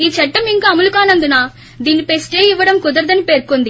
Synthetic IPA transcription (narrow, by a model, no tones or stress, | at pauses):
iːt͡ʃɛʈːɐmiŋkaːɐmulukaːnɐnd̪unaː | d̪iːnːipe̞sʈeːjiʋːɐɽɐmkud̪ɐɾd̪ɐnipe̞ːɾkond̪i